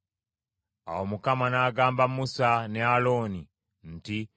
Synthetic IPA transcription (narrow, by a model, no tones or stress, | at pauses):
a̰womukamanaːɡaːmbamusanealo̞ːni | nti